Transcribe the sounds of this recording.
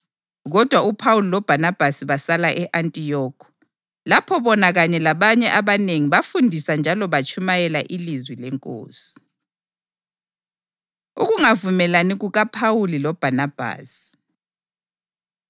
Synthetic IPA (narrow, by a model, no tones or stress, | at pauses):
ɣɔd̥ʱwaupʰawulilɔb̥ʱanab̥ʱasiβasalaʔɛʔantʼijɔːkʰɔ̥ | lapʰɔβɔnaɣaɲɛlaβaɲɛʔaβaneŋiβafundʱisand͡ʒʱalɔβat͡ʃʰʼumajɛlaʔilizwilɛŋkʼo̰ːsi̥ | ṵɣuŋavumɛlaniɣuɣapʰawulilɔb̥ʱanab̥ʱa̰ːsi̥